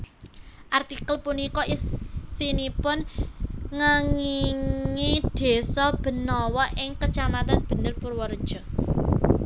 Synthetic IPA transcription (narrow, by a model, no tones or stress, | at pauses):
ʔart̪ikəlpunikɔʔissinipʊn | ŋəŋiŋid̪̥e̤sɔb̥ə̤nɔwɔʔɪŋkət͡ʃamat̪anb̥ə̤nərpurwɔɾ̥ʒ̥ɔ̤